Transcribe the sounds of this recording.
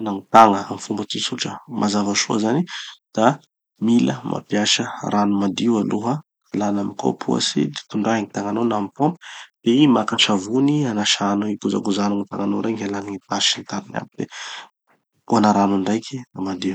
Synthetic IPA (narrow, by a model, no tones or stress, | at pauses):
naŋit̪aŋəamifumbət̪isuʈ͡ʂəmʔazavaʃuəzanid̪̥a | miləmʔa̰pjasəranumad̪iwaluɦə | alanamiko̰pʰṵa̰sḭd̪et̪uɳɖ͡ʐaɦiŋit̪aŋanownamipompd̪̥eimakaʈ͡ʂavunianaʃanoikuza̰ɡuzanaŋit̪aŋanoɾaŋalaniŋit̪aʃint̪aɾina̰pd̪̥e | uanaɾanaɳɖ͡ʐajkʲʰiamad̪i